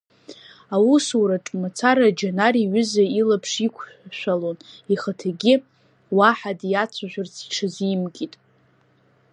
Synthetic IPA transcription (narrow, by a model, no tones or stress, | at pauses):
awusuwɾaʈ͡ʂʼmat͡sʰaɾad͡ʒanaɾiɥʏzailapʰʂikʷʰʃʷᶣaloniχatʰaɡʲɪ | waħadjat͡sʷʰaʒᶣʷʊrt͡sʰi̥ʈ͡ʂʰazimɡʲʼitʼ